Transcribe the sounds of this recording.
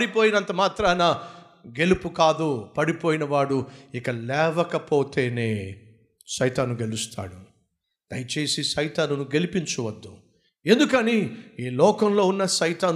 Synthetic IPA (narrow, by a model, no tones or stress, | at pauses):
ɐɽipoːjinɐnt̪ɐmaːt̪ɾaːnɐ | ɡe̞lupukaːd̪upɐɽipo̞ːjinɐʋaːɽuikɐlɛːʋɐkɐpoːt̪e̞ːneː | ʃɐjt̪aːnuɡe̞lust̪a̰ːɽu | d̪̥ɐjt͡ʃe̞ːsiʃɐjt̪aːnunuɡe̞lipiɲt͡ʃuʋɐd̪ːu | e̞nd̪ukɐniiːlɔːkɐmlo̞ːunːɐʃɐjt̪aːn